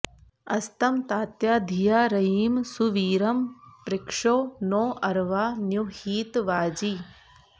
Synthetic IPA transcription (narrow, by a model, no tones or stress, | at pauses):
ɐst̪ɐmt̪aːt̪jad̪ʱijaːɾɐiːmsuʋiːɾɐmpɾɪkʂoːnoːʔɐɾʋaːnjuhiːt̪ʋaːd͡ʒiː